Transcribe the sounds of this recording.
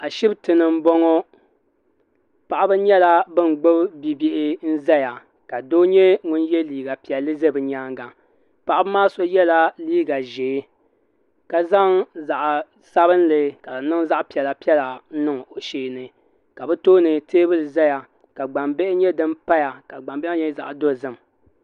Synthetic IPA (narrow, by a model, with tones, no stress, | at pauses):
a˨ʃi˦btɨ˨nɨ˨m̩˦bɔ˦ŋɔ˦ | pa˨ʔa˦bɨ˦ɲɛ˦la˦bɨ˦n˨ɡ͡bʊ˦bbi˦bɪ˦ʔɪ˦n̩˦zɛ˦ja˨ | ka˨doː˦ɲɛ˦ŋʊ˦njɛ˦liː˨ɡa˨pi˨ɛ˨lːɨ˦ze˦bɨ˨ɲaː˦ŋɡa˨ | pa˨ʔa˦bɨ˦maː˦so˦jɛ˦la˦liː˦ɡa˨ʒeː˨˦ | ka˨za˦ŋza˨ʔ | sa˦βɨ˦n˦lɨ˨ka˨lɨ˨nɨ˦ŋ˦za˦ʔpi˨ɛ˨la˨pi˦ɛ˦la˨n̩˦nɨ˦ŋ˨ʔo˨ʔʃeː˦nɨ˨ | ka˨bɛ˦toː˦nɨ˨teː˦bɨ˦lɨ˨za˦ja˨ | ka˨ɡ͡ba˨mbe˦ʔɪ˦ɲɛ˦dɨ˦mpa˦ja˨ka˨ɡ͡ba˨mbɛ˦ɪ˦ɲɛ˦za̰˨ʔdo˦˨zɨ˦m˨